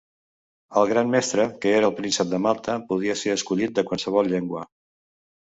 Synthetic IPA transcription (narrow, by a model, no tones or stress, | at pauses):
əlˠɣɾanmɛst̪ɾəkəeɾəːlˠpɾinsəp̚d̪əmalˠt̪əpuðiəseɾəskuʎit̪̚d̪əkwalˠsəβ̞ɔlˠʎeŋɡwə